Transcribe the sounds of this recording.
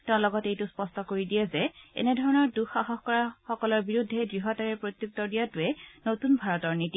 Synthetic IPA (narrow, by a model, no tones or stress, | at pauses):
tɛ̃ʊ̃lɔɡɔtejtʊspɔstɔkoɹidijɛzɛɛ̰nɛdʱɔɹɔnɔɹduxaɦɔxkɔɹaxɔkɔlɔɹbiɹudʱːɛdɹiɦɔtaɹɛɹpɹot̪juk̚tɔdijatuɛnotunbʱaɹɔtɔɹniti